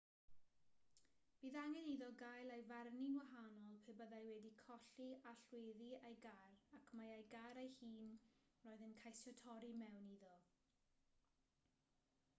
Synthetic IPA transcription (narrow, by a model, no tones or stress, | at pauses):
b̥iːðaŋɛniðɔɡajlˠajvarninwaɦanɔlˠpʰebəðajwɛdikʰɔɬiaɬweðiajɡarakʰmajajɡaɾejhiːn | roːɨðənkʰajsɔtʰɔɾimɛwniðɔ